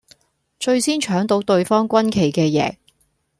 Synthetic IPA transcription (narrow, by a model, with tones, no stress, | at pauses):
t͡ʃɵ˧ɥsiː˥nt͡ʃʰœː˨˥ŋt̪o˨˧˥wt̪ɵ˧ɥfɔː˥ŋkʷɐ˥nkʰe˨˩jkɛː˧jɛ̰ː˨˥